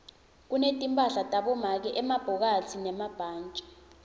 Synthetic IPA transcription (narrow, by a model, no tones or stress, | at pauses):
k̬unetʼimpʼaɬatʼaɓɔmak̬ɛʔɛmab̥ʱɔk̬atʰinɛmab̥ʱaːnt͡ʃʼḁ